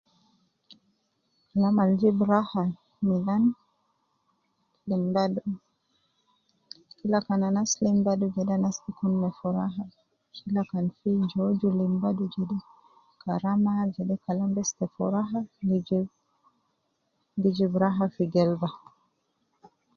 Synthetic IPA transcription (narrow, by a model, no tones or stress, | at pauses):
kalamald͡ʒibɾaha | milan | limbad | kilakananaslimbadud͡ʒɛdanastikunːɛfɔɾaɦa | kilakanfid͡ʒod͡ʒulimbadud͡ʒɛɗɛ | kʰaɾamad͡ʒɛdɛkalambɛstɛfɔɾaɦa | did͡ʒibɾaɦafiɡɛlba